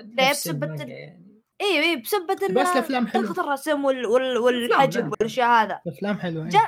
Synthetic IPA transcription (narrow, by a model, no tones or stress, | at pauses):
leːbsabːat̪ | ʔiːiːbsabːat̪ɪnaaflaːmħalxɑt̪ˤɑrˤɑsɪmwɪlwɪlwɪlʔad͡ʒɪbwɪlʃahaːðaaflaːmħɪlwd͡ʒa